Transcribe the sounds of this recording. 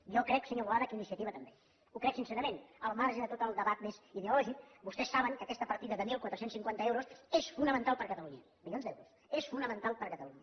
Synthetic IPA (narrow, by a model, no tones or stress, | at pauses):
jɔkɾɛksəɲoβulaðəkinisiət̪iβət̪əmbe | ukɾɛksinsɛɾəmenəlˠmaɾʒəðət̪ot̪əlˠd̪əβat̪meziðeulɔʒik̚bust̪ɛsːaβəŋkəkɛst̪əpəɾt̪iðəðəmilˠkwat̪ɾəsensiŋkwant̪əewɾusesfunəmənt̪alˠpəɾkət̪əluɲə | miljonzd̪ɛwɾus | esfunəmənt̪alˠpəɾkət̪əluɲə